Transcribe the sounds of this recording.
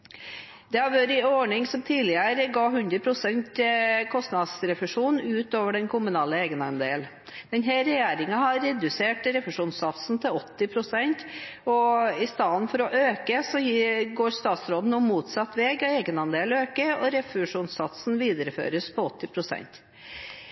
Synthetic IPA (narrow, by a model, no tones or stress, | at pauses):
d̪̥ɛhɑɾʋøːɾɪɔɳɪŋsɔmt̪ʰiːlɪəɾəɡɑːɦʉnd̪ɾəpʰɾʊsɛnt̪kʰɔst̪nɑd̪sɾɛfʉʂuːnʉːt̪oːʋəɖɛnkʰʊmʉnɑːləeːɡənɑnd̪eːl | d̪̥ɛnɦæːɾɛjeːɾɪŋɑhɑɾːɛd̪ʉseːʈɾɛfʉʂuːnsɑt̪sn̩t̪ʰɪlɔt̪ːɪpʰɾʊsɛnt̪ɔɪst̪ɑːd̪ənfɔɾɔʔøːkəsɔjɡoːɾst̪ɑːt̪sɾoːd̪n̩ʊmuːt̪sɑt̪ːʋɛːɡɔeːɡənɑnd̪eːløːkəɔɾɛfʉʂuːnsɑt̪sn̩ʋiːd̪əɾəfø̰ːɾəspʰɔɔt̪ːɪpʰɾʊsɛ̰nt̪